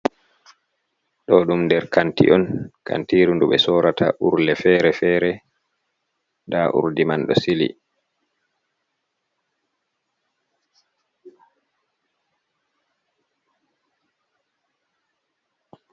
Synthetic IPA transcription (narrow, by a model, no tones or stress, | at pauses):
ɗɔɗumndɛɾkʰantḭʔɔnka̰ntiːɾunduɓɛsɔːɾatʰa̰ʔuɾlɛfɛːɾɛfɛːɾɛ | ndaʔṵɾdimanɗɔsilḭ